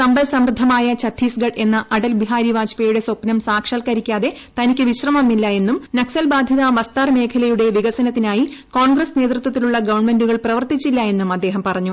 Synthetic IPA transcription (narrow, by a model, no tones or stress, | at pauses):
sɐmbɐlsɐmrɨd̪ʱːɐmaːjɐt͡ɕɐt̪ʰːiːsɡɐɖe̞nːɐʔɐɽɐlbiɦaːɾiʋaːd͡ʑpejuɽe̞so̞pnɐmsaːkʂɐːlkɐɾikʲːaːðe̞ | t̪ɐnikʲːɨʋiɕrɐmɐmːilːɐje̞nːumnɐksɐlbaːd̪ʱjiðaʋɐst̪aːrme̞ːkʰɐlɐjuɽe̞ʋiɣɐsɐnɐt̪ːinaːjiko̞ːɳɡrɐsne̞ːt̪rɨt̪ːwɐt̪ːiluɭːɐɡɐʋɐɳme̞nduɣɐɭprɐʋɐrt̪it͡ɕːilːɐe̞nːumɐd̪ːe̞ːɦɐmpɐrɐɲːu